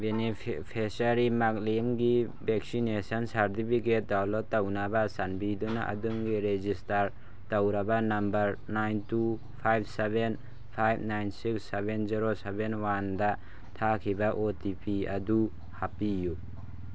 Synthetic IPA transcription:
benipʰesaɾimak̚limɡi | beksinesɐnsaɾtipʰiket̚dawlɔtːɐwnabasanbidunaʔɐ̰duŋɡiɾed͡ʒistaɾ | tɐwɾɐbɐnɐmbɐɾnajntu | pʰajb̚ʰsebʱen | pʰajb̚ʰnajnsiksːebenziɾosebenwandɐ | tʰakʰibɐʔotipʰiɐdu | hapiju

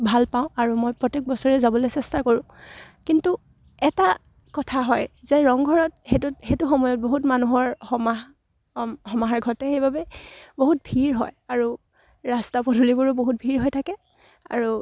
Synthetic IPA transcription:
bʱalpaʊ̃aɹumojpɹɔtek̚bɔsɔɹɛzabɔlojsɛstakɔɹʊ̃ | kintu | ɛta | kɔtʰaɦɔjzɛɹɔŋɡʱɔɹɔt̚xetutxejtuxɔmɔjɔt̚boɦutmanuɦɔɹxɔma | hɔmaɦaɹɡʱɔtɛxejbabɛboɦut̚bʱiɹɦɔjaɹu | ɹastapɔdʱulibʊɹɔboɦut̚bʱiɹɦɔjtʰakɛ | a̰ɹu

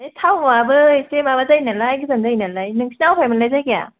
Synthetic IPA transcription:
etʰawmabɯsemabazajnalajɡɯzandajnalajnɯŋsʰinawpʰajmɯnlajzajɡija̰

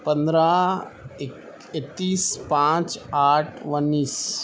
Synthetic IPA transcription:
pə̃nd̪ɾa | ɪk | et̪ːiːspãːt͡ʃaːʈʰʋɐnːiːs

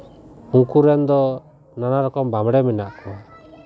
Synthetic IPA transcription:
hũŋkuɾɛnd̪ɔ | nanaɾɔkɔmbamɽɛminaʔkɔ

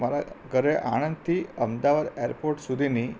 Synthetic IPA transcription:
maɾaɡəɾeʔa̰ɽ̃ənd̪̚t̪ʰiəmd̪aʋad̪eɾpoɾʈsud̪ʱini

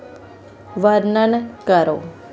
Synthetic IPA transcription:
ʋaɾnankaɾo

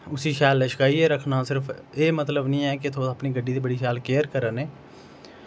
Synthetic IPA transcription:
ʊsiːʃaːlːəʃkaːiːɛːɾəkʰnaːsɪɾəfʰ | eːmət̪ləbnĩːɛːket̪ʰoəpniːɡəɖːiːd̪iːbəɽiːʃaːlkeːɾkəɾəneː

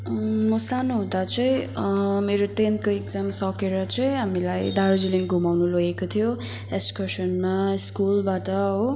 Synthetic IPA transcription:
mʌsanuɦũd̪at͡sʌĩmeɾot̪ent̪̚koekd͡zamsʌkeɾʌt͡sʌĩɦamilajd̪aɾd͡ziliŋɡʱumawnuloɡekot̪ʰijo | eskʌsʌnmaskulbaʈʌɦo

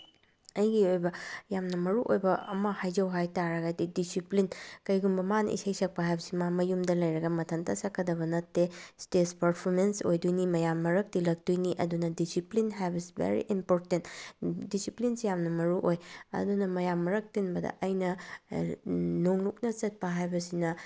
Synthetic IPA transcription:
ɐjɡiojbɐjamnɐmɐɾuʔo̰jbɐɐmɐhajd͡ʒɐwɦajtaɾɐɡadidisiplinkɐjɡumbɐmanɐ̰ʔḭsajsɐk̚pɐɦajbɐsimamɐjumdɐlɐjɾɐɡɐmɐtʰɐntʰɐsɐkʰːɐdɐβɐnɐtːestespɐɾpʰoɾmensojdujnimɐjamːɐɾɐk̚tilɐk̚dujniʔɐdunɐdisiplinɦajbɐsi̥bḛɾḭʔimpoɾtentdisiplinsejamnɐmɐɾuʔojɐ̰dunɐmɐjamːɐɾɐk̚tinbɐdɐ̰ʔɐjnɐ | noŋluk̚nɐt͡ʃɐt̚pɐɦajbɐsinɐ

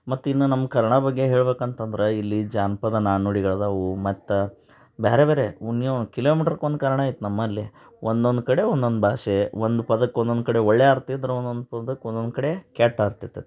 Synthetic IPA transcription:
mɐt̪ːuinːunɐmːɐkɐɾɐɳɐbɐɡːe̞ɦe̞ːɭbeːkɐnt̪ɐnd̪ɐɾeilːid͡ʒaːnpɐd̪ɐnaːnuɽiɡɐɭɐd̪ɐɐʋumɐt̪ːɐ | beːɾebeːɾeunjokiloːmiːʈɐɾkond̪kɐɾɐɳaːjit̪ːunɐmːɐlːi | ʔond̪ond̪ukɐɽe̞ond̪o̞nd̪ubʱaːʃeʋond̪upɐd̪ɐkːond̪ond̪kɐɽe̞oɭːeaːɾt̪id̪ɐɾeond̪ond̪upɐd̪ɐkːond̪ond̪kɐɽe̞kaːʈːaːɾt̪it̪ːe

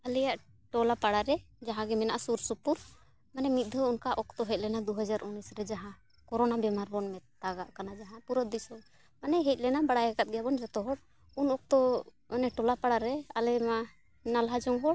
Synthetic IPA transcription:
alɛjaʔ | ʈɔlapaɽaɾɛ | d͡ʒaɦãɡɛmɛnaʔasuɾsupuɾ | manɛmit̪̚d̪ʱɔunkaʔɔk̚t̪ɔɦɛc̚ʲlɛnad̪uɦad͡ʒaɾunisɾɛd͡ʒaɦã | kɔɾɔnabɛmaɾbɔnmɛt̪aɡaʔkanad͡ʒaɦãpuɾɔd̪isɔ | manɛɦɛc̚ˀlɛnabaɽajaɡat̪̚ɡɛjabɔnɾɛt̪ɔɦɔɽ | unɔk̚t̪ɔ | ɔnɛʈɔlapaɽaɾɛalɛma | nalɦad͡ʒɔŋɦɔɽ

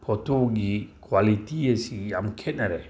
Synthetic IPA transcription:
pʰɔt̪oɡikwalit̪iesijamkʰɛt̚naɾɛ

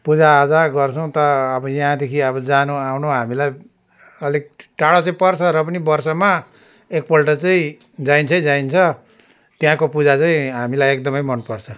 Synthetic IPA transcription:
pud͡zaːd͡zaɡʌrt͡sʰʌw̃t̪ʌːbʌjaɦãd̪ekʰiʌbʌd͡zanuawnoɦamilaj | ʌlik̚ʈaɽat͡saĩpʌrt͡sʰʌɾʌp̬ʌnibʌrsʌma | ek̚pʌlʈʌt͡saĩ | d͡zaint͡sʰʌĩd͡zaint͡sʰʌ | t̪jɦãkopud͡zat͡saĩɦamilajek̚d̪ʌmʌjmʌnpʌrt͡sʰʌ

